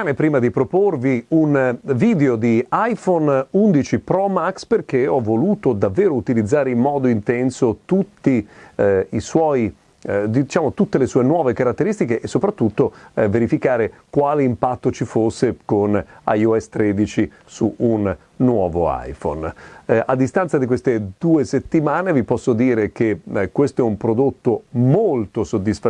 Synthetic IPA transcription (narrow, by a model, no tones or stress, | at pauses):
anepɾiːmad̪ipɾoporviunviːd̪eod̪iajfonund̪it͡ʃipɾɔmaksperk̟eɔvːoluːt̪od̪avːeːɾout̪ilid̪zːaːɾeimːɔːd̪oint̪ɛnsot̪ut̪ːi | iswɔji | d̪iit͡ʃaːmot̪ut̪ːelesuːenwɔːvekaɾat̪ːeɾist̪ikeʔːsːopɾat̪ːut̪ːoveɾifikaːɾekwaːleimpat̪ːot͡ʃifosːekona̰joɛsːt̪ɾeːd̪it͡ʃi | suunː | wɔːvoa̰jfo̰nad̪ːist̪ant̪sad̪ikwest̪ed̪uːeset̪ːimaːnevipɔsːod̪iːɾek̟ekːwest̪oɛumpɾod̪ot̪ːomolt̪osod̪ːisfa